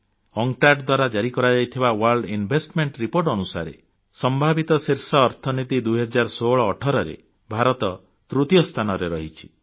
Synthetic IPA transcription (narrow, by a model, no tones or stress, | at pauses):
ɔŋʈaɾɖd̪waɾad͡ʒaɾikɔɾad͡ʒajt̪ʰibawaɾɭɖinbʱesʈmeɳʈɾipoɾʈɔnusa̰ɾḛ | sɔmbʱabit̪ɔseɾsɔːɾt̪ʰɔnit̪id̪uɦɔd͡ʒaɾsoɭɔːʈʰɔɾɔɾḛ | bʱaɾɔt̪ɔ | t̪ɾut̪ijɔst̪ʰanɔɾeɾɔɦit͡ʃʰi̥